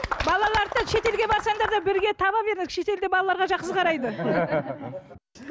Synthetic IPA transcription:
bɑlˠɑlˠɑɾd̪əʃe̞t̪e̞lɡʲebɑɾsɑɴd̪ɑɾd̪ɑbɪɾɡʲe̞t̪ʰɑβɑbe̞ɾd̪ɪkʃe̞t̪e̞ld̪ebɑlˠɑlˠɑɾʁɑʒɑqsəzqʰɑɾɑjd̪ə

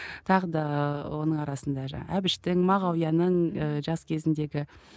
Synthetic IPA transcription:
t̪ʰɑʁəd̪ɑwo̞nəɴɑɾɑsənd̪ɑʒɑ̰æbɪʃt̪ɪŋmɑʁɑwjɑnəɴəʒɑskʲʰe̞zɪnd̪e̞ɡʲɪ

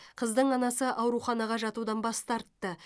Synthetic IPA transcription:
qʰəzd̪əɴɑnɑsəʔɑwɾuχɑnɑʁɑʒɑt̪ud̪ɑnbɑst̪ɑɾt̪ːə

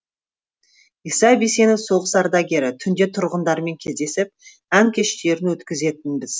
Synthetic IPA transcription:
ijsɑbise̞noso̞ʁəsɑɾd̪ɑɡʲe̞ɾɪt̪ʰʏnd̪e̞t̪ʰʊɾʁənd̪ɑɾme̞ŋk̞ʲʰezd̪e̞sɪp̚ | æŋkʲʰe̞ʃt̪e̞ɾɪnwɵt̪kʲɪze̞t̪ɪnbɪz̥

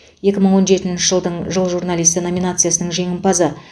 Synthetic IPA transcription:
je̞kʲɪməɴwo̞nʒe̞t̪ɪnʃɪʒəlˠd̪əɴʒəlˠʒuɾnalʲˠijst̪əno̞mʲinat̪sɨjasənəɴʒe̞ŋʲɪmpɑzə

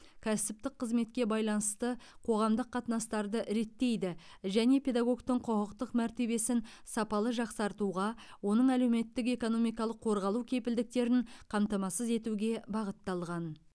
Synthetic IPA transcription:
kʲʰæsɪp̚t̪ɪk̚qʰːəzme̞t̪kʲe̞bɑjlˠɑnəst̪əqʰo̞ʁɑmd̪əqʰːɑt̪nɑst̪ɑɾd̪əɾe̞t̪ːe̞jd̪ɪ | ʒæne̞pʰʲe̞d̪ɑɡo̞kt̪əɴqʰoʁəqt̪əqmæɾt̪e̞βe̞sɪn | sɑpɑlˠəʒɑqsɑɾt̪uʁɑwo̞nəɴæle̞wme̞t̪ːɪk̬e̞ko̞no̞mijkɑlˠəqʰːo̞ɾʁɑlˠukʲʰe̞pɪld̪ɪk̚t̪e̞ɾɪŋqʰɑmt̪ɑmɑsəze̞t̪uɡʲe̞bɑʁət̪ːɑlˠʁɑn

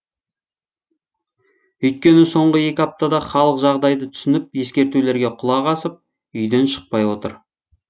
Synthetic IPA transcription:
ɵjt̪̚kʲe̞nɪso̞ɴʁəje̞kʲɪɑp̚t̪ɑd̪ɑχɑlˠəqʒɑʁd̪ɑjd̪ət̪ʰʏ̥sɪnɪp̚je̞skʲe̞ɾt̪ule̞ɾɡʲe̞qʰʊlˠɑʁɑsəp̚ | ʏjd̪e̞nʃə̥q̚pɑjwo̞t̪ə̰ɾ

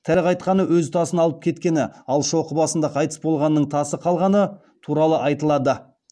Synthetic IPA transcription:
t̪ʰæɾqʰɑjt̪̚qɑnəwɵzt̪ʰɑsənɑlˠəp̚kʲʰe̞t̪kʲe̞nɪɑlˠʃo̞qəbɑsənd̪ɑqʰɑjt̪ə̥sbo̞lˠʁɑnːəɴt̪ʰɑsəqʰɑlˠʁɑnə | t̪ʰuɾɑlˠəʔɑjt̪əlˠɑd̪ə

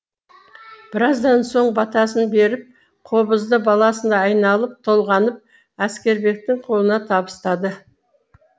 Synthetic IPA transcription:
b̥ɪɾɑzd̪ɑnso̞ɴbɑt̪ɑs̬ənbe̞ɾɪp̚ | qʰo̞bəzd̪əbɑlˠɑsənd̪ɑːjnɑlˠəp̚t̪ʰo̞lˠʁɑnəp̚ | æskʲe̞ɾbe̞k̚t̪ɪŋqʰo̞lˠənɑt̪ʰɑbəst̪ɑd̪ə

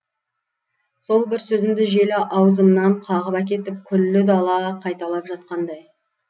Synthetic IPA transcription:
so̞lˠbɪɾsɵzɪmd̪ɪʒe̞lɪʔɑwzəmnɑɴqʰɑʁəpæk̬ʲe̞t̪ɪp̚kʲʰʏlːɪd̪ɑlˠɑqʰɑjt̪ɑlˠɑpʒɑt̪̚qɑnd̪ɑj

